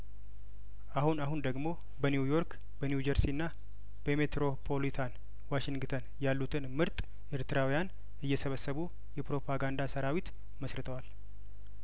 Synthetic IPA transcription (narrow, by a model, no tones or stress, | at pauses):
ʔahunaɦund̪əɡmo̞ | bənjujo̞ɾk | bənjud͡ʒəɾsinːa | b̥əme̞t̪ɾo̞pʰo̞lit̪ʰan | waʃɪŋɡɨt̪ʰənjalːut̪ʰɨnmɨɾt̪ʼ | ʔɨɾt̪ʰɨɾawijan | ɨjːɛsəβəsːəβu | jɛpɾo̞pʰaɡand̪asəɾawit̪ | məsɾɨt̪ʰəwal